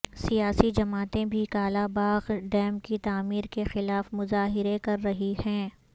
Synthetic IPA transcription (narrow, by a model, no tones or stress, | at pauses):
sijaːsid͡ʒɐmaːt̪ẽbʱikaːlabaːɣɖɛːmkit̪aːmiːɾkexɪlaːfmʊzaːɦɪɾekɐɾːɐɦihɛ̃ː